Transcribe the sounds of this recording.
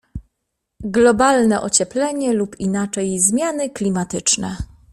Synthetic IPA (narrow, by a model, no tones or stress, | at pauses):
ɡlɔbalnɛʔɔt͡ɕɛplɛɲɛlupinat͡ʂɛjzmʲjanɘklʲimat̪ɘt͡ʂnɛ